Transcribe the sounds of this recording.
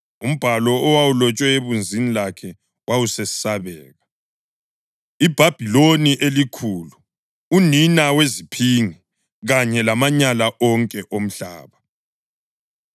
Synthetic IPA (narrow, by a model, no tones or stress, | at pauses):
um̩b̥ʱalɔːwawulɔt͡ʃʼwɛeβund͡zʱinilakʰɛ | wʔawusesi̥saβɛːɣa | ib̥ʱab̥ʱiloniʔelikʰulu | uninawezipʰiŋi | ɣaɲɛlamaɲalaʔɔŋkʼɛʔom̩ɬa̰ːβa